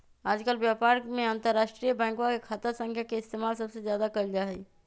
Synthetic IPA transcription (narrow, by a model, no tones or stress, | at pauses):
aːd͡ʒkəlbjapaːɾmẽãnt̪əɾːaːʃʈɾijəbɛ̃ːŋkwakekʰaːt̪əɾsə̃ŋkʰjakeɪst̪eːmaːlsəbsezjaːd̪akəld͡ʒaɦɛ